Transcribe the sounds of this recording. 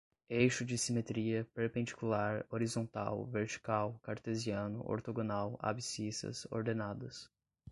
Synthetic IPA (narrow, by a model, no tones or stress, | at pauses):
ejʃʊd͡ʒɪsimet̪ɾiɐpeɾpẽnd͡ʒi̥kulaɾoɾizõnt̪a̰wveɾt͡ʃi̥kawkaɾt̪eziɐ̃nʊ̰ʔo̰ɾt̪oɡonawa̰bisisɐ̰so̰ɾd̪enad̪ɐs